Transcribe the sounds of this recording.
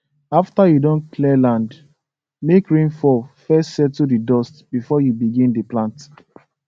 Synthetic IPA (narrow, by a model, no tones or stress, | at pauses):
aftajudõnkʰlɛlãnd | mekɹĩnfɔfɛstsɛtudidɔstb̥ifɔjubiɡĩndiplãnt